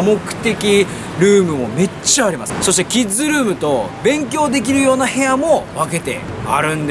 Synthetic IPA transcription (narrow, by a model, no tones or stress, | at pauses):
mo̞kɯ̟̥t̪e̞kʲi | ɾɯ̟ːmɯ̟mo̞me̞t͡ɕːaːɾʲimasɨ̥so̞ɕi̥t̪e̞kʲizɨɾɯ̟ːmɯ̟t̪o̞bẽ̞ŋkʲo̞ːd̪e̞k̬ʲiɾɯ̟jo̞ːnahe̞jamo̞βake̞t̪e̞̰ | a̰ɾɯ̟̃nd̪e